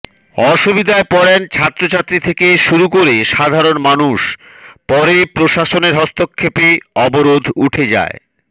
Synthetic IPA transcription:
ɔʃubid̪ʱaepɔɾent͡ɕʰat̪ːɾot͡ɕʰat̪ːɾit̪ʰekeʃuɾukoɾeʃad̪ʱaɾonmanuʃ | pɔɾepɾoʃaʃoneɾɦɔst̪okʰːepiɔboɾod̪ʱuʈʰed͡ʑa̰e

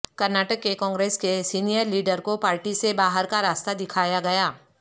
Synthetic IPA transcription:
kɐɾnaːʈəkːekɔ̃ːŋɡɾeːskesiːnijəɾliːɖəɾkopaːɾʈisebaːɦəɾkaɾaːst̪ad̪ɪkʰaːjaɡɐjaː

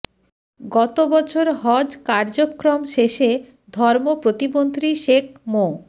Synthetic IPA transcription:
ɡɔt̪obɔt͡ɕʰoɾɦɔd͡ʑkaɾd͡ʑokːɾomʃeʃe | d̪ʱɔɾmopɾot̪imont̪ɾiʃekmo

